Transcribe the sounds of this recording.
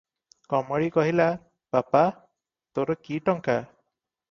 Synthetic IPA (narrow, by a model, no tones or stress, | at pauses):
kɔmɔɽikɔɦila | papa | t̪oɾɔkiʈɔŋka